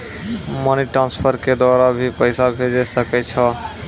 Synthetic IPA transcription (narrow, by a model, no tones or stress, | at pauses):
moniʈɾanspʰəɾked̪waɾabʱipəɪsabʱed͡ʒɛsəkɛt͡ʃʰɔ